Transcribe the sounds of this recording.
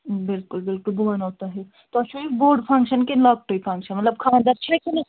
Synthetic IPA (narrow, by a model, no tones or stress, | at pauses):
bɪlkʊlbɪlkʊlbʱuʋanoːt̪aɦɛ | t̪oɐʃoiboːɾɖfʰɐ̃ŋkʃənkelaːk̚ʈoipʰɐ̃ŋkʃənmɐt̪ləb̚kʰãːnd̪aɾt͡ʃʰɐkinɐ